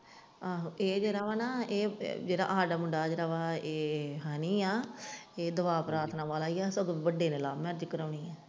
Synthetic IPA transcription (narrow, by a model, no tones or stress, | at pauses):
aːɦʔeːd͡ʒeːɾaːʋaːnaːeːd͡ʒeːɽa̰ːʔaːɖaːmʊɳɖaːd͡ʒeːɾaːʋaːeːɦaːnĩːaːeːd̪əʋaːpɾaːɾt̪ʰnãːʋaːlaːijaːsəɡibəɖeːneːlaːmɛ̃ɾd͡ʒkəɾəːɳiːaː